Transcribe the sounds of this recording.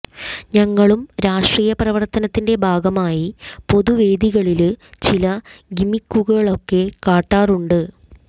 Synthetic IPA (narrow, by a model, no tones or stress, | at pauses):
ɲɐŋːɐɭumɾaːʂʈriːjɐprɐʋɐrt̪ɐnɐt̪ːinde̞bʱaːɡɐmaːjipo̞ðuʋe̞ːd̪iɣɐɭilt͡ɕilɐɡimikːuɣɐɭo̞kːe̞kaːʈːaːruɳɖɨ